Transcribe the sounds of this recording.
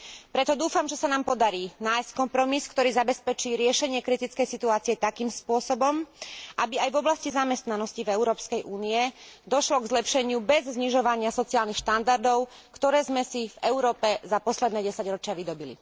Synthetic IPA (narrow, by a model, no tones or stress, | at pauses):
pɾɛt̪ɔd̪uːfamʒɛsanaːmpɔd̪aɾiːnaːjsckɔmpɾɔmiskt̪ɔɾiːzabɛspɛt͡ʃiːɾɪɛʃɛɲɪɛkɾit̪it͡skɛjsit̪uaːt͡siɛt̪akiːmspʊɔsɔbɔmʔabiajvɔblascizamɛst̪nanɔscivɛʊɾɔːpskɛjʔuːniɛd̪ɔʃlɔɡzlɛpʃɛɲɪubɛzzɲiʒɔʋaɲɪasɔt͡siaːlnixʃt̪and̪aɾd̪ɔʊ | kt̪ɔɾɛːzmɛsivɛʊɾɔːpɛzapɔslɛd̪nɛːɟɛsaɟɾɔt͡ʃɪaʋid̪ɔbilḭ